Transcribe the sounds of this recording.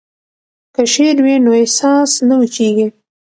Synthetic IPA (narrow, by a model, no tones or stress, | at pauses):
kəʃeɾwinoesɑsnawət͡ʃeɡi